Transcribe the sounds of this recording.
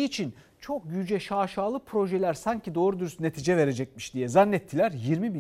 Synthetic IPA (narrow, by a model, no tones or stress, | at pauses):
it͡ʃʰin | t͡ʃʰo̞k̚jyd͡ʒɛʃaːʃaːlˠɯpʰɾo̞ʒɛlʲæɾsaɲcʰid̪o̞ːɾud̪yɾysne̞t̪ʰiːd͡ʒɛve̞ɾe̞d͡ʒɛc̚miʃd̪ijɛzanːɛt̪ʰːilʲæɾjiɾmibi